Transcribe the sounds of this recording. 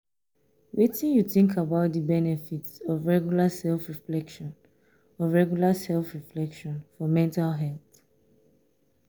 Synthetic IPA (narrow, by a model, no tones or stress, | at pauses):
witĩnjuθĩŋkʰabaʊt̚dibɛnɛfitsɔvɹɛɡjulasɛlfɹiflɛkʃɔ̃n | ɔvɹɛɡjulasɛlfɹiflɛkʃɔ̃nfɔmɛ̃ntalɦɛlˠθ